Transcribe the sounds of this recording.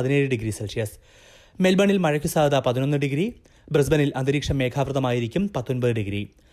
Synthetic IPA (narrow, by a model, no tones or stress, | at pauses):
ðine̞ːɻɨɖiɡɾiselʂijɐs | melbɐɳilmɐɻɐkːusaːɐðapɐðino̞nːɨɖiɡɾi | bres̬bɐnilʔɐnd̪iɾiːkʂɐmːe̞ːkʰaːʋrɨðɐmaːjiɾikʲːumpɐt̪ːonbɐðɨɖiɡɾi